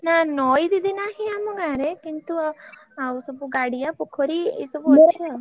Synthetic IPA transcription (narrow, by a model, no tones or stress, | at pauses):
nanɔjd̪id̪inaɦiamɔɡaːɾekint̪uawsɔbuɡaɽijapukʰɔɾiḛsɔbuɐt͡ʃːʃʰia